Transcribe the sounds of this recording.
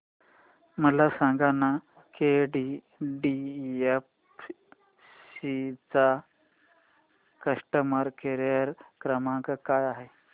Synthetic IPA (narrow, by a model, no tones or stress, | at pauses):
məlasãŋɡana | keɖi | ɖief | sit͡sa | kəsʈəməɾkeɾjəɾkɾəmãkəkajaɦe